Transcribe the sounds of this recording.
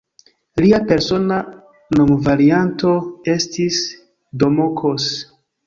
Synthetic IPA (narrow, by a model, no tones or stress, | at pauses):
liape̞ɾso̞na | no̞mvaɾianto̞e̞stis | do̞mokʰos